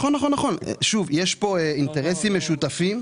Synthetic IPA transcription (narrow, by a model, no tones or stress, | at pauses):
χonːaχo̞nːaχo̞n̰ʃuvjeʃpo̞eint̪eʁesimːeʃut̪afim